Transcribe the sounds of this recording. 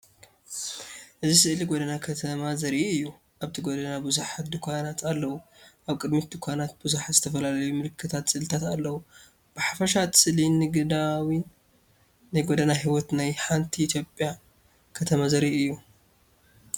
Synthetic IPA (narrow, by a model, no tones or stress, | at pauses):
ʔɨzisɨʔliɡod̪ɐnakʰɐt̪ʰɐmazɐɾiʔɨjːu | ʔaβt̪ʰiɡod̪ɐnabuzuħat̪̚d̪ɨkʰʷanat̪ʰalːɐwu | ʔaβkʼɨd̪mit̪̚d̪ɨkʷʰanat̪̚buzuħazɨt̪ʰɐfɐlalɐjumɨlɨkʰːɨt̪ʰat̪sɨlɨt̪ʰat̪alːɐwu | b̥ɨħafɐʃat̪ɨ̥sɨlinɨɡd̪awin | najɡod̪ɐnaɦiwɔt̪najħant̪ʰiit̪ʰjo̞pʼja | kʰɐt̪ʰɐmazɐɾiʔɨjːu